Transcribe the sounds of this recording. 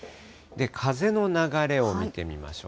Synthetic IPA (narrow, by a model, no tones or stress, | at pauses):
d̪e̞kʰaze̞no̞naɡaɾe̞o̞mʲit̪e̞mʲima̰ɕo̰